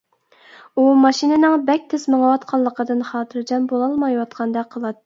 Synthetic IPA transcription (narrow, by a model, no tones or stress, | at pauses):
umɑʃinɨnɨŋbɛk̚ʲt̪ʰɪsməŋəwɑt̪qʰɑlˠːəqʰəd̪ɨnχɑːt̪ʰɨɾd͡ʒɑmbolˠɑlˠmɑjwɑt̪qʰɑnd̪ɑqʰəlˠɑt̪ː